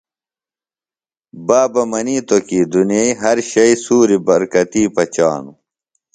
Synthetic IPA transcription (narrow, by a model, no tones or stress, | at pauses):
baːbɐmɐniːt̪okiːd̪unijeiɦɐɾɕɐisuːɾibɐɾkɐt̪iːpɐt͡ɕa̰ːnu